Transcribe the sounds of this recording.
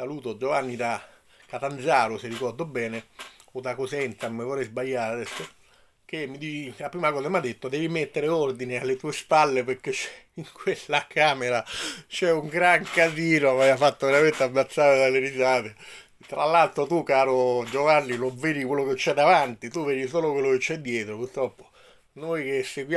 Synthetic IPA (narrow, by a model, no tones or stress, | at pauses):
saluːt̪od͡ʒovanːid̪a | kːat̪and̪zaːɾoserikɔrd̪obɛːneod̪akosɛnt̪amevorɛjzbajːaːɾad̪ɛsːo | k̟emːid̪it͡ʃilapɾiːmakɔːs̬amad̪ːet̪ːod̪ɛːvimet̪ːeɾeord̪inealːet̪uːespalːepeɾk̟ːet͡ʃːɛ | iŋkwelːakaːmeɾat͡ʃɛuŋɡɾaŋkaziːnoavaajafat̪ːoveɾament̪eabːat̪sːaːɾed̪alːeɾizaːt̪e | t̪ːɾalːalt̪ɾot̪ukaːɾod͡ʒovanːilovːeːɾikwelːoket͡ʃːɛd̪ːavant̪it̪uvɛːɾis̬oːlokwelːoket͡ʃːɛd̪ːjɛːt̪ɾopurt̪ɾɔpːo̥ | nojk̟eseɡwj